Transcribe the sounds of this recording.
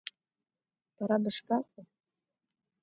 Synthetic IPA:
b̥aɾabɨʂkʼaχʷu

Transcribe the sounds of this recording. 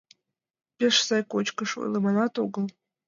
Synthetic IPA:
pʲeʂsɑjkot͡ɕkəʂo̰jlˠɤmɑnɑt̪oɡɤlˠ

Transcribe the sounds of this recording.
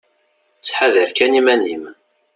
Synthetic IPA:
t͡sːħaðəɾkænimænim

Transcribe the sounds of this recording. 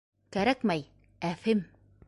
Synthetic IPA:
kaɾakmaj | afem

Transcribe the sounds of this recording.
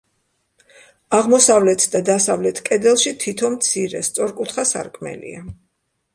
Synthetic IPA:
aʁmɔsavlɛt̪ʰd̪ad̪asavlɛt̪ʰkʼɛd̪ɛlˠʃit̪ʰit̪ʰɔnmt̪sʰiɾɛ̰st̪sʼɔɾkʼut̪ʰχasa̰ɾkʼmɛ̰lḭa

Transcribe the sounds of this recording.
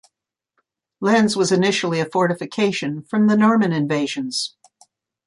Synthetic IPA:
læ̃nzwʌzɨnɪʃl̩ˠiɨfɔɹɾɨfɨkʰeɪʃɨ̃nfɹʌ̃mðɨnɔɹmɨ̃nɨ̃ɱveɪʒɨ̃nz̥

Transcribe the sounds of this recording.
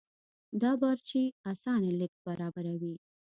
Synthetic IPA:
d̪ɑbɑɾt͡ʃeasɑnelək̚baɾɑbaɾawi

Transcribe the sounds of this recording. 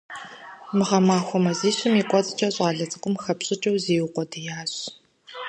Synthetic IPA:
mɨʁɐmaːxʷɔmɐziːɕɪmiːkʷʼɔt͡sʼt͡ʃʼɐɕʼaːɮɐt͡sʼɨkʷʼʊmxɐpɕʼɪt͡ʃʼɐwzeːwʊqʷɔdijaːɕ

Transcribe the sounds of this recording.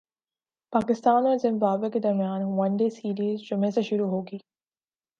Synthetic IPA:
paːkɪst̪aːnozɪ̃mbaːbeked̪ɐɾmijaːnʋɐ̃nɖeːsiːɾiːzd͡ʒʊmẽseʃʊɾuɦoːɡiː

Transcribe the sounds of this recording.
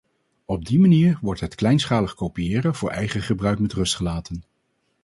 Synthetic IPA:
ɔb̚dimaniːɹʋɔɹtɦətklɛjnsχaːləχkowpijɪːrəv̥ʊːɹɛ̰jχəχəbrœɥkmɛtrɵstχəlaːtən

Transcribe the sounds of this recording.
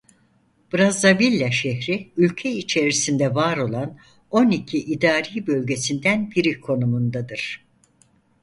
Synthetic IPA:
b̥ɾazavilʲːaʃɛɦɾiylʲcʰɛit͡ʃʰe̞ɾisind̪ɛvaːɾo̞lˠan | o̞nicʰiʔid̪aːɾiːbø̞lʲɟe̞sind̪ænbiɾikʰo̞numund̪ad̪ɯɾ̥

